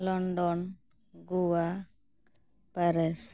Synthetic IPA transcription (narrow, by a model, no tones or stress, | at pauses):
lɔɳɖɔn | ɡuwa | pəɾɛs